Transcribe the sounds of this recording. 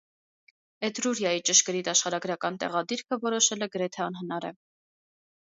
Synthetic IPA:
ɛt̪ɾuɾjɑjit͡ʃəʃkəɾit̪ɑʃχɑɾɑɡɾɑkɑnt̪ɛ̰ʁɑd̪iɾkʰəvɔɾɔʃɛlɛɡəɾɛt̪ʰɛɑnɦənɑɾɛ̰

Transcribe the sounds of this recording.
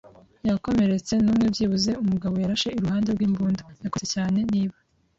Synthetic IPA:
jako̞me̞ɾe̞t͡se̞nuːmŋebjiːβuze̞umuɡaβo̞jaɾaʃe̞iɾuhaːnde̞ɾɡwiːmbuːndojakoecaːne̞niːβa

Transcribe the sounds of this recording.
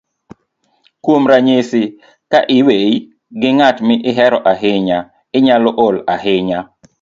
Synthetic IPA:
kwomɾaɲesɪ | kaʔɪwei | ɡɪŋatmɪʔɪɦɛɾɔʔaɦɪɲa | ɪɲalɔʔʊlaɦɪɲa

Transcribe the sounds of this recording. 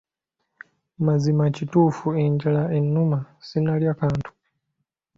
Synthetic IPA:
mazimacituːfueɲɟalaenːumasinaljakaːntʰu̥

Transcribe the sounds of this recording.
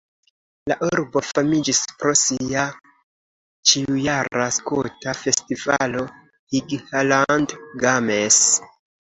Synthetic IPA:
la̰ʔuɾbo̞famid͡ʒispɾo̞sia | t͡ʃiujaɾaskutafe̞stivalo̞ | hiɡhalandɡames

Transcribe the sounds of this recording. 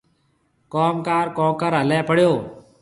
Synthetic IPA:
koːmkaːɾkɔ̃ːkəɾɦəlɛːpəɽjoː

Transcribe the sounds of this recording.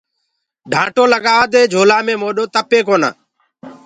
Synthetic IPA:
ɖʱãːʈoːləɠaːd̪eːd͡ʒʱoːlaːmẽːmoːɗoːt̪əpeːkoːna̰ː

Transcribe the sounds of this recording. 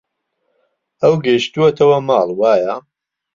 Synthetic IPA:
ɐwɡɐjʃt̪uɐt̪ʰɐwɐmɑːlˠwaːja

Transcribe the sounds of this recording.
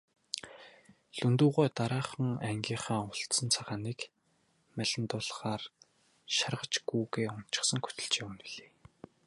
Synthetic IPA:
ɮɵnt̪uːʁʊːt̪aɾaːχə̆ŋæŋɡʲiːɴχaːʊɬt̪sə̆nt͡sʰaʁaːniːk | mæɮʲɪ̆nt̪ʊːɮχaːr | ʃarʁə̆t͡ɕɡuːɣeːʊn̥t͡ɕɪ̥̆χsə̆ŋxɵ̥t̪ɵ̆ɮt͡ɕeːunĭɮe̥ː

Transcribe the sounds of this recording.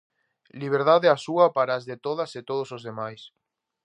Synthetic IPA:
liβ̞eɾðaðeasuɐpaɾaːzðet̪oðɐset̪oðosozðemajs

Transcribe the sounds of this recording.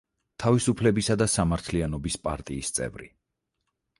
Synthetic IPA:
t̪ʰavisupʰlɛbisad̪asamaɾt̪ʰlianɔbispʼa̰ɾt̪ʼiːst̪sʼɛ̰vɾḭ

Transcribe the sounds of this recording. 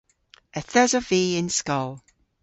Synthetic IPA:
əθəzɔviːɪnskɔlˠ

